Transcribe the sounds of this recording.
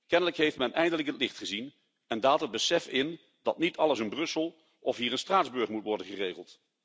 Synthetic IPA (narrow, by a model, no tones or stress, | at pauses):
kɛnələkɦejftmɛnɛjndələkɦətlɪχtχəzin | ɛndaːlˠtəd̚bəsɛfɪn | dɑtnitɑlˠəsənbrɵsəlˠ | ɔfɦiːɹənstraːdzbɵɹχmutʋɔɹdənχəreːχəlˠt